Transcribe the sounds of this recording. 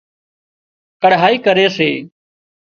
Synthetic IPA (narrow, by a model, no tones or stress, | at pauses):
kəɽɦaːiːkəɾeːseː